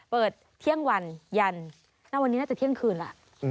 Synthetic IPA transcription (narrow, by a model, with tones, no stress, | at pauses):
pɤː˨˩t̪̚ʰːi˦˥˩əŋwa˧nja˧n | na˥˩wa˧nːi˦˥naː˥˩t͡ɕa˨˩t̪ʰi˥ə˨ŋkʰɯː˧nla̰˧˩ʔ